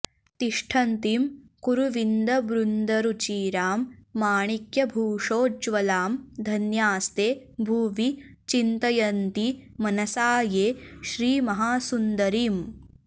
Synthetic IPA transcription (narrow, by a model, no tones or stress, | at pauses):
t̪iʂʈʰɐnt̪iːmkuɾuʋind̪ɐbɾund̪ɐɾut͡ʃiːɾaːmːaːɳikjɐbʱuːʂoːd͡ʒʋɐlaːmd̪ʱɐnjaːst̪eːbʱuːʋit͡ʃint̪ɐjɐnt̪imɐnɐsaːjeːʃɾiːmɐɦaːsund̪ɐɾiːm